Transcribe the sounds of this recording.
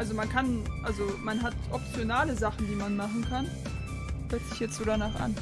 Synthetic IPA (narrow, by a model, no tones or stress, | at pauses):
ʔalzomankʰanʔalzomanɦatʔɔp̚t͡sjonaːləzaχn̩diːmanmaχn̩kʰan | hœɐtz̥ɪçjɛt͡stz̥oːdanaːχa̰n